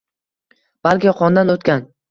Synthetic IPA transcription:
b̥alkʲɪjɒqʰɒnd̪anot̪kʲan

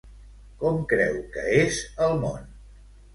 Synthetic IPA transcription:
kɔmkɾɛ̰wkə̰ezəlˠmo̰n

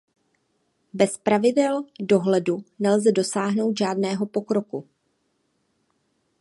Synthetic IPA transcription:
bɛspɾavɪdɛldo̞ɦlɛdunɛlzɛdo̞saːɦno̞wt̪ʒaːdnɛːɦo̞po̞kɾo̞ku

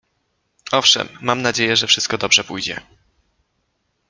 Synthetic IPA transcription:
ɔfʂɛ̰mːamnad͡ʑejɛʐɛfʂɘst̪̚kɔd̪ɔbʐɛpujd͡ʑɛ̰

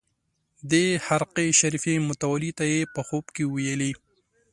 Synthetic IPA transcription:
d̪ehaɾqeʃaɾifemʊt̪awalit̪ajepəxobkewajəli

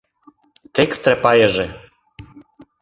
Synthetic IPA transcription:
t̪ɛkst̪ɾɛpajɛʐɛ

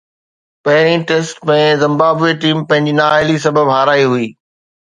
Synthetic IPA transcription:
pɐɦɪɾ̃ĩʈeːsʈmẽzɪ̃mbaːbeʈiːmpɐ̃ɦɪ̃ɲd͡ʑinaːɪlis̬ɐbəbɦaːɾaːiɦʊiː

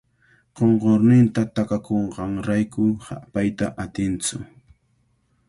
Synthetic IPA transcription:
ɢ̥oɴɢoɾnɪnt̪at̪akakoɴɢɑŋɾajkʊha̰pajt̪aʔat̪ɪnt͡sʊ̰

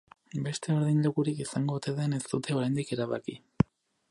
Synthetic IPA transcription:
be̞st̪ʰe̞o̞ɾðinʎokuɾikisaŋɡo̞t̪e̞ðe̞ne̞st̪ut̪e̞o̞ɾajnd̪ike̞ɾaβa̰ki

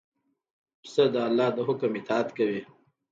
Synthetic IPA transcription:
səd̪əalːɑd̪əɦʊkəmɪt̪ɑat̪kawi

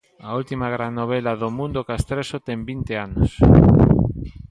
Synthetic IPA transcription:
ɐult̪imaɣɾanːoβ̞ɛlɐðomũnd̪okast̪ɾesot̪ɛŋbint̪ɪanos

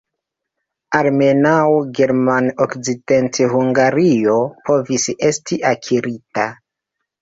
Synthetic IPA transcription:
aɾme̞nawɡe̞ɾmanokzide̞ntehuŋɡaɾio̞po̞vise̞stiʔakʰiɾita

